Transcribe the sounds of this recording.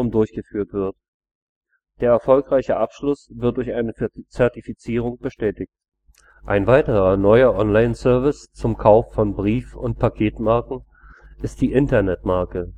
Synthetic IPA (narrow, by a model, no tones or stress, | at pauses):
ʊmdʊɐçɡ̥əfyːɐtv̥ɪɐt | d̥eːɐɛɐfɔlkʁaɪçəʔapʃlʊsv̥ɪɐt̚d̥ʊɐçʔaɪnət͡sɛɐtifit͡siːʁ̞ʊŋb̥əʃtɛːtɪçt | ʔaɪnvaɪtəʁɐnɔʏɐʔɔnlaɪnsœɐvɪst͡sʊmkʰaʊfːɔnbʁiːfʊnt̚pʰakʰeːtmaɐkŋ̩ | ʔɪst̚d̥iːʔɪntɐnɛtmaɐkə